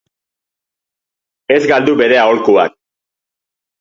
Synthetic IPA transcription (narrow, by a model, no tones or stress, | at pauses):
e̞zɡald̪uβe̞ɾe̞aolkua̰k̚